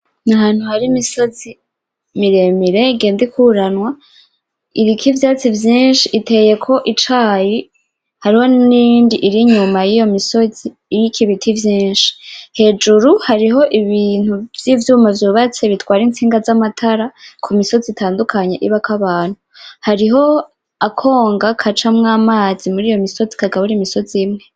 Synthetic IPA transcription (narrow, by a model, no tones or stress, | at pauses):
naɦaːn̥huhaɾimiso̞zi | miɾe̞miɾe̞iɡe̞ːndikʰuɾanwa | iɾikʰivjaːt͡sivjiːnʃiʔːte̞je̞kʰo̞ʔit͡ʃaːji | haɾiho̞nijːndiʔiɾiɲumajijo̞miso̞ziːɾikʰiβitʰivjiːnʃi̥he̞d͡ʒuɾuhaɾiɦo̞ʔiβiːn̥uvjivjuːmavjuːβat͡se̞βitwaːɾint͡siːŋɡazamatʰaɾakʰumiso̞zitʰaːndukʰaɲe̞ʔiβakaβaːn̥huhaɾiɦo̞ | akʰo̞ːŋɡakʰat͡ʃamŋaːmaːzimuɾiːjo̞miso̞zikaɡaβuɾimiso̞zimŋe